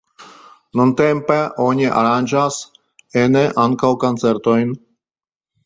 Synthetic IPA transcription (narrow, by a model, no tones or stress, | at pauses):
nɔnt̪ɛmpɛʔoɲɛʔa̰ɾanʲʒas | ɛnɛʔaŋkawkant͡sɛɾt̪ɔjn